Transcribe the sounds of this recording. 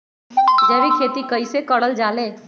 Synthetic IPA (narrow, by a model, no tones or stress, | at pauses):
d͡ʒɛːʋekʰeːt̪ikəisekəɽəld͡ʒaːle